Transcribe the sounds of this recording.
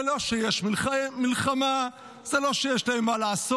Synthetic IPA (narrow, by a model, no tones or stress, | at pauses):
loʃejeʃmilmilχama | z̥eloʃejeʃlaemːalaaso